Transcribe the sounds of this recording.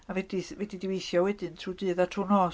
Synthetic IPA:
avɛdivɛdidiwejθjɔwɛdɨntʰudɨːðatʰunɔː

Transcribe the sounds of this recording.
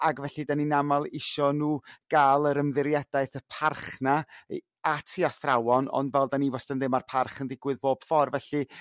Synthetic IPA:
aɡvɛɬɨdaninamalˠɪʃɔnuːɡ̥aːlˠəɾəmðɪɾjɛd̥aɨθəpʰarχna | atʰiaθrawɔnɔ̰ndvɛlˠdaniːvɔstənðɪmarpʰarχəndɪɡwɨðboːb̥fɔrvɛɬɨ

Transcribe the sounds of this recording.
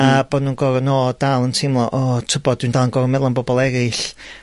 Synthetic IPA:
aboːdnuːnɡɔɾənoːdalˠəntʰɪmlˠɔʔɔːtʰəbɔd̥̚windalˠənɡɔɾəmɛlˠanbɔbɔlˠɛɾɨɬ

